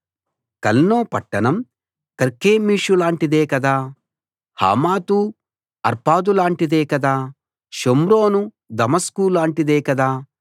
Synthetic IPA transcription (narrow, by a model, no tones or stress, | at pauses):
kɐlnoːpɐʈːɐnɐm | kɐɾkeːmiːʂulaːɳʈid̪eːkɐd̪aː | ha̰ːmaːt̪u | ɐɾpaːd̪ulaːɳʈid̪eːkɐd̪aː | ʃomɾoːnu | d̪ɐmɐskuːlaːɳʈid̪eːkɐd̪aː